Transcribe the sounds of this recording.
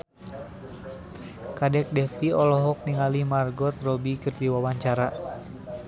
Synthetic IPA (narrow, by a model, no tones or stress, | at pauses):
kadɛk̚dɛfiɔlɔɦɔk̚niŋalimarɡɔt̪̚rɔbikɨrdiwawaɲt͡ʃaɾa